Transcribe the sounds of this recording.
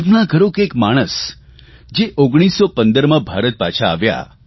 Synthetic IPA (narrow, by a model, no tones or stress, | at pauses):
bnãɡʱəɾõkekmaɽ̃əs | d͡ʒeʔoɡɽ̃isːopə̃nd̪əɾmãbʱaɾət̪̚pat͡ʃʰa̰ːʋja̰